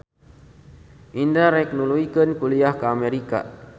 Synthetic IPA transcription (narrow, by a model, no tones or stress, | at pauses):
ʔindaɾɛk̚nuluikənkuliahkəameɾika̰